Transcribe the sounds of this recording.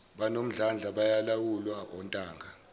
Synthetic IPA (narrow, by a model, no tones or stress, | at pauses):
ɓanom̩ɮand͡ɮʱaɓajalawulwaɔntʼaːŋɡʱa